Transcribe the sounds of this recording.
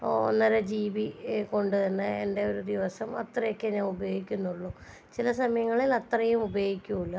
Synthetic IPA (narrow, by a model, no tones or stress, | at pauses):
o̰nːɐɾɐd͡ʑiːʋiko̞ɳɖɨðɐnːɨe̞nde̞o̞ɾud̪iʋɐsɐmɐt̪rɐjokːenɐubɐjo̞ːɡikʲːunːuɭːu | t͡ɕilɐsɐmɐjɐŋːɐɭilɐt̪rɐjumubɐjoːɡikʲːumuɭːɐ